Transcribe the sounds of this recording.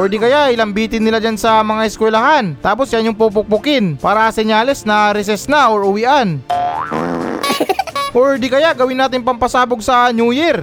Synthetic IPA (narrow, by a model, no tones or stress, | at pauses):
ʔoɹd̪ikɐjaʔjɪlɐmbiːt̪ɪnːɪlad͡ʒansɐmɐŋaʔɛskwɛlɐɦant̪aːp̬osjanjʊŋpup̬ʊk̚pʊkɪnpaːɾɐʔɐsɛɲaːlɛsnɐɾɛs̬ɛsnaʔoɹʊwiʔan | ʔoɹd̪ikɐjaʔɡɐwɪnːaːt̪ɪŋpɐmpɐsaːboɡ̚sɐɲuːjɛɾ